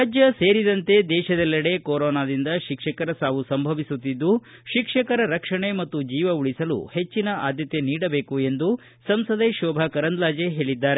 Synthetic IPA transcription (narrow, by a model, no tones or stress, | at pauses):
ɾaːd͡ʒjɐse̞ːɾid̪ɐnt̪e̞d̪ɛːʃɐd̪ɛlːɐɽe̞koːɾɔːnaːd̪ind̪ɐʃikʂɐkɐɾɐsaːʋusɐmbʱɐʋisut̪ːid̪ːu | ʃikʂɐkɐɾɐɾɐkʂɐɳe̞mɐt̪ːud͡ʒiːʋɐuɭisɐlṵhe̞t͡ʃːinɐʔa̰ːd̪ʱjɐt̪e̞niːɽɐbe̞ːkue̞nd̪u | sɐmsɐd̪eʃɔːbʱɐkɐɾɐnd̪laːd͡ʒeɦe̞ːɭid̪ːaːɾe